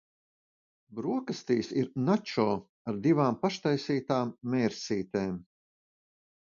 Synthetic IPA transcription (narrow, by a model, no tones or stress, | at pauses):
bɾuɔkast̪iːsiɾnat͡ʃɔː | aɾd̪ivaːmpaʃt̪ajsiːt̪aːmːɛːɾsiːt̪eːm